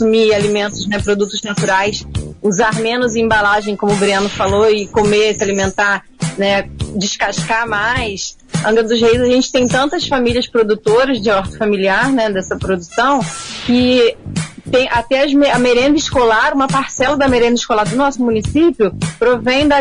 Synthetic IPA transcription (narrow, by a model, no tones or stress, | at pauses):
sumialimẽnt̪ʊznɛpɾod̪ut̪ʊznat̪uɾajsuzaɾmẽnʊzẽbalaʒẽj̃kõmʊːbɾiɐ̃nʊfaloɪkomesɪalimẽnt̪aɾ | nɛd͡ʒɪʃkaʃkamajs | ɐ̃ɡɐd̪ʊzhejzaʒẽnt͡ʃɪ̥t̪ẽj̃t̪ɐ̃nt̪ɐsfamiliɐspɾod̪ut̪oɾɐzd͡ʒɪɔɾt̪ɪ̥familiaɾnɛd̪ɛsɐpɾod̪usɐ̃w̃kɪ | t̪ẽj̃ʔat̪ɛɐzmeɐmeɾẽnd̪ɐɪʃkolaɾũmɐpaɾsɛlɐd̪ɐmeɾẽnd̪ɐɪʃkolaɾd̪ʊnɔsʊmũnisipjʊpɾovẽj̃d̪ɐ